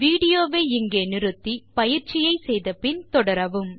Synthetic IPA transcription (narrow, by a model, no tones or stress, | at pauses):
ʋiːɽɪjoːʋeːɪŋɡeːnɪɾɯt̪ːipɐjɪɾt͡ʃɪjɐɪsɛjðɐpɪnt̪ɔɽɐɾɐʋɯm